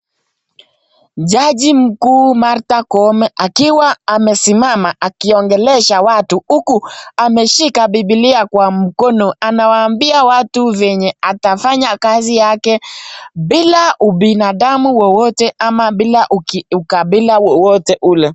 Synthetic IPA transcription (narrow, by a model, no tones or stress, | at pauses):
ʄaʄim̩kuːmaɾtakɔmɛʔakiwaːmɛsimamaʔakiɔŋɡɛlɛʃawatuhukuamɛʃikaɓibiliakwam̩kɔnɔʔanawaːmbiawatuvɛɲɛatafaɲakazijakɛɓilauɓinaɗamuwɔwɔtɛʔamaɓilaʔuukaɓilawɔwɔtɛʔulɛ